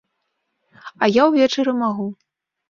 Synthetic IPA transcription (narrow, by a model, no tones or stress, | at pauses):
ɐjawvʲɛt͡ʂɐɾɨmaɣu